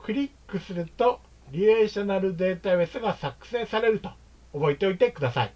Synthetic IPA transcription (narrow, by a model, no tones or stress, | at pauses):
kɯ̟ɾʲikːɯ̟sɨɾɯ̟t̪o̞ | ɾʲieːɕo̞naɾɯ̟d̪e̞ːt̪aβesɨɡasakɯ̥sẽ̞ːsaɾe̞ɾɯ̟t̪o̞̥ | obo̞it̪eo̞it̪e̞kɯd̪asa̰i